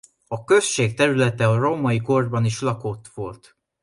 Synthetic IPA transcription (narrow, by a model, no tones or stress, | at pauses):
ɒkø̞sʃeːkt̪ɛɾylɛt̪ɛɒro̞mɒiɡo̞rd̪bɒniʃlɒkot̪ʋo̞̰lt̪